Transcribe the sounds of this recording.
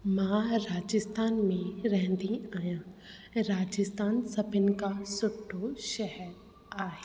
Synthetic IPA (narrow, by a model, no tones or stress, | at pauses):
mãɾaːd͡ʒɪst̪aːnmẽɾɛɦnd̪iaːjãː | ɾaːd͡ʒɪst̪aːnsɐbɪnkasʊʈʰːoʃɛɦəɾ | aːɦeː